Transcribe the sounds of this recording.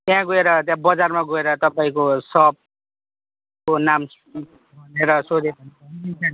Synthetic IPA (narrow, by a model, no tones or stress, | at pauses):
t̪jãɡoeɾʌt̪jãbʌd͡zarmaɡoeɾʌt̪ʌpaĩkosʌb̚ | konam | bʱʌneɾʌsod̪epʌnʌinsʰan